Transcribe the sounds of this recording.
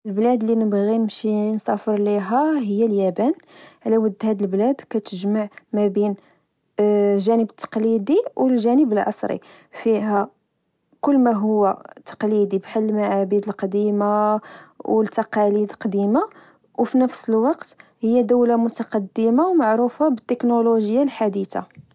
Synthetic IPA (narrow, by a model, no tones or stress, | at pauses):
əlblæd̪linəbɣinəmʃinsˤɑfəɾˤliɦæɦəjːæljæbænʕlæwəd̪ːhæd̪əlblæd̪kæt̪əʒmaʕmæbin | lʒænəbət̪ːɑ̥qlid̪iwlʒænəbəlʕɑ̰sˤɾḭ | fiɦæ | kʊlːmæɦʊwːæt̪ːɑ̥qlid̪ibħəlmaʕabid̪əlqɑd̪ima | wlt̪ːɑqɑlid̪lqɑd̪ima | wfinəfsəlwɑqt̪həjːæd̪æwlamʊt̪ɑqɑd̪ːəmawmaʕɾufabət̪ːəknoloʒəjːalħad̪it̪a̰